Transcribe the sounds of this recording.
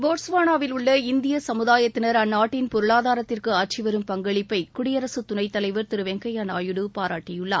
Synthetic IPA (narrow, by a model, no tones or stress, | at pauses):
boːʈsʋaːnaːʋɪlʊɭːɐɪnd̪ɪjɐsɐmɯðaːjɐt̪ːɪnɐɾɐnːaːʈːɪnpɔɾɯɭaːðaːɾɐt̪ːɪrkɯɐʈ̚t͡ʃɪʋɐɾɯmpɐŋɡɐɭɪpːɐɪkʊɽɪjɐɾɐsɯt̪ʊnɐɪt̪ːɐlɐɪʋɐɾt̪ɪɾɯʋɛŋɡɐɪjanaːjɯɽɯpaːɾaːʈːɪjɯɭːɐ̰ː